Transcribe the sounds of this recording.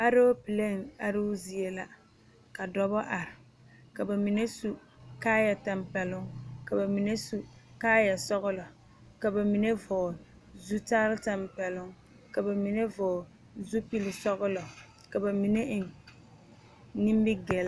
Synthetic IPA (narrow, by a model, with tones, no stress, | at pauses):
a˦ɾo˦pi˨le˦ŋa˨ɾɪ˦ʊ˦zi˨e˨la˦ | ka˨dɔ˦bɔ˦ʔa˨ɾɪ˨ | ka˨ba˨mi˨ne˦su˨ | kaː˦ja˨ta˨mpɛ˨lʊ˦ŋka˨ba˨mi˨ne˦su˨kaː˦ja˨sɔ˦ɣʊ˦lɔ˨ | ka˨ba˨mi˨ne˦vɔː˨ | zu˦taː˦lɪ˦ta˨mpɛ˨lʊ˦ŋ | ka˨ba˨mi˨ne˦vɔː˨ | zu˦pi˦lɪ˨sɔ˦ɣʊ˦lɔ˨ | ka˨ba˨mi˨ne˦ɪ˨ŋ | ni˦m˦bɪ˦ɡɛ˨l